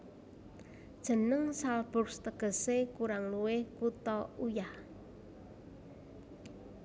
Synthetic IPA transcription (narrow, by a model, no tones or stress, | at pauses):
d̥ʒ̥ə̤nəŋsalb̥ʊ̤rst̪əɡ̥ə̤sekuɾaŋluwɪhkut̪ɔujah